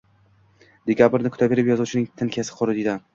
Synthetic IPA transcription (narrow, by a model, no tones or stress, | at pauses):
d̪̥ekʲʰabɪɾnɪkʰʊ̥t̪abe̞ɾɪpjɒzuwt͡ʃʰɪnɪŋt̪ʰɪnkʲʰasɪ̥qʰʊɾɪd̪id̪a